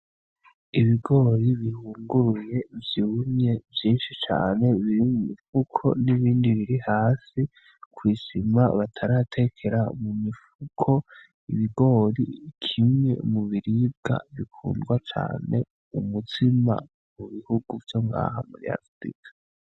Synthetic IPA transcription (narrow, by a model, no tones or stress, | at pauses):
iβiɡo̞ːɾiβihuːŋɡuɾuje̞vjiumɲe̞vjiːnʃit͡ʃa̰ːne̞βiɾimumifukʰo̞̰niβiːndiβiɾihaːsi | kwiːsima̰βatʰaɾatʰe̞kʰe̞ɾaumumifukʰo̞ | iβiɡo̞ːɾikʰimŋe̞̰muβiɾib̚ɡa̰βikʰṵːndɡwat͡ʃa̰ːne̞̰ | umutʰima̰ | muβihuɡuvjo̞ŋɡa̰ːɦa̰muɾḭa̰ɾfɾḭkʰḁ